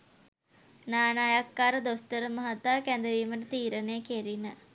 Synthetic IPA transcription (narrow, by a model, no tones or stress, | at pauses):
naːnajakːaːɾəd̪ost̪əɾəmɐɦat̪aːkænd̪əʋiːməʈət̪iːɾənejəkeɾinə